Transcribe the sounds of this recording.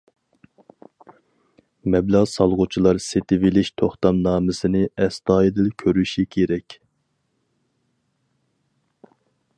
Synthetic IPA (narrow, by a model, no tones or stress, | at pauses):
mɛblɑʁsɑlˠʁʊt͡ʃʰilˠɑɾset̪ʰɪvɪlɪʃt̪ʰoχt̪ɑmnɑːmɪsɪnɪɛst̪ɑːjid̪ɪlkʲʰøɾyʃikʲʰeɾɛkʲ